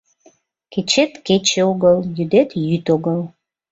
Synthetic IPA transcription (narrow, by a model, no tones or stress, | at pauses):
ket͡ɕet̪ket͡ɕeoɣəljyd̪et̪jyt̪oɣəl